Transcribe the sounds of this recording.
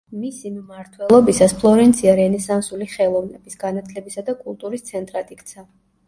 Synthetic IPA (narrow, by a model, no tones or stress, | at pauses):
misimmaɾt̪ʰwɛlˠɔbisaspʰlˠɔɾɛnt̪sʰiaɾɛnɛsansuliχɛlˠɔvnɛbisɡ̥anat̪ʰlɛbisad̪akʼulˠt̪ʼuɾist̪sʰɛnt̪ʼɾat̪ʼikt̪sʰa